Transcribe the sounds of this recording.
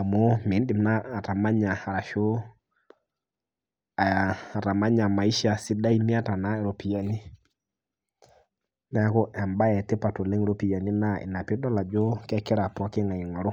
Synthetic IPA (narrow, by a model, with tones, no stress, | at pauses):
a˨mɔ˦mi˨˦di˨mnaː˦˨ta˨ma˦ɲa˨a˨ɾa˨ʃo˦ | a˨a˨a˨ta˨ma˦ɲa˨ma˨i˦ʃa˨si˦da˦i˦mi˦a˦ta˨na˦ɛ˨ɾo˨pi˨ja˨ni˦ | nɛ˦kɔ˦ʔɛ˨mba˦ɛ˨te˦pa˨to˨lɛ˦ŋ˦ɾo˦pi˨ja˨ni˦na˦ḭ˨na˨pi˦dɔ˦la˨d͡ʒɔ˦kɛ˦kɪ˦ɾa˨pɔ˨˦ki˦ŋa˨i˨ŋɔ˨ɾɔ˦